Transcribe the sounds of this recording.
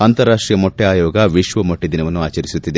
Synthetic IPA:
aːnt̪ɐɾːaːʂʈɾiːjɐmoʈːiaːjɔːɡɐʋiʃʋɐmoʈːid̪inɐʋɐnːuaːt͡ʃɐɾisut̪ːid̪e

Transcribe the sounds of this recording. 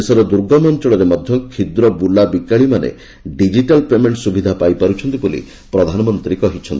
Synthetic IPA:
esɔɾɔd̪uɾɡɔmɔnt͡ʃɔɭɔɾemɔd̪ʱjɔkʰid̪ɾɔbulabikaɭimanḛ | ɖid͡ʒiʈalpemeɳʈsubid̪ʱapajpaɾut͡ʃʰɔnt̪ibulḭ | pɾɔd̪ʱanɔmɔnt̪ɾikɔɦit͡ʃʰɔnt̪i

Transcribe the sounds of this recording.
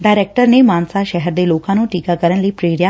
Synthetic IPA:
ɖajɾek̚ʈəɾnemaːnsaʃɛɦɛɾd̪eloːkãnũːʈiːkakəɾəɳliːpɾeːɾja

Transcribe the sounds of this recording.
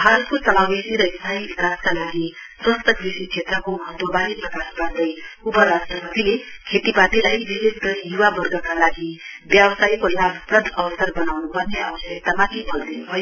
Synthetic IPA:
bbʱaɾʌt̪̚kosʌlawesiɾʌist̪ʰaibikaskalaɡiswʌ̃nst̪ʌkrisit͡sʰet̪rʌkomʌɦʌt̪wʌbaɾiprʌkasbʌnd̪ʌjupʌɾasʈrʌpʌt̪ilekʰet̪ibat̪ilajbiɾist̪ʌjuwabʌrɡʱʌkalaɡi | bjabsajkolabprʌd̪ʱʌwʌsarbʌnawnupʌrneawʌsʌk̚t̪amat̪ʰibʌld̪inubʱʌjo

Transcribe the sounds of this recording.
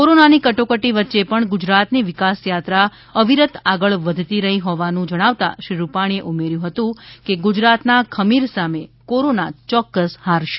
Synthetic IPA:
koɾonanikəʈokəʈiʋətːʃepəɳɡud͡ʒɾat̪niʋɪkasjat̪ɾa | əʋiɾət̪ʰaɡəɭʋəd̪ʱt̪iɾəɦiɦɔʋanũd͡ʒəɽ̃aʋt̪a̰ʃɾiɾupaɽ̃ieʔumeɾjũɦət̪ũkeɡud͡ʒɾat̪nakʰəmiɾsamekoɾonat͡ʃɔkːəshaɾʃe̥

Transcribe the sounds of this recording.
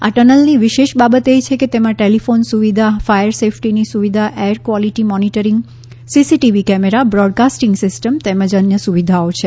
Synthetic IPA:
a̰ʈənəlniʋɪʃeʃbabət̪et͡ʃʰeket̪emãʈelifonsuʋid̪ʱafajəɾsefʰʈinisuʋid̪ʱaʔeɾkʋɔliʈimɔniʈəɾɪŋɡ | sisiʈiʋikɛmeɾabɾɔɖ̚kasʈɪŋɡsɪsʈəmt̪emə̃d͡ʒənjəsuʋid̪ʱaot͡ʃʰe

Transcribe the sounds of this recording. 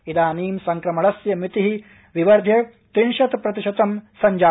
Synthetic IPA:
id̪aːniːmsɐŋkɾɐmɐɭɐsjɐmit̪iɦi | ʋiʋɐɾd̪ʱjɐ | t̪inʃɐt̪pɾɐt̪iʃɐt̪ɐmsɐɲd͡ʒaː

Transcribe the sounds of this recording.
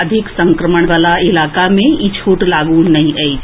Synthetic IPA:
əd̪ʱɪksə̃ŋkɾəməɽ̃ʋaːlaɪlaːkamẽit͡ʃʰoːʈlaːɡũnɐɦĩʔai

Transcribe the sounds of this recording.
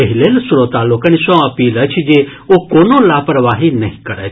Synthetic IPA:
əɦilelsʊɾot̪aːlokənisõɐpiːlət͡ʃʰd͡ʒeokoːnõlaːpɾəʋaːɦinɐ̰ɦĩkəɾɛ̰ː

